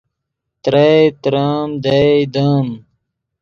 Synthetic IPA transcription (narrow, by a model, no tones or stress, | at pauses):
t̪ɾɐt̪ɾaːmd̪ɐd̪aːm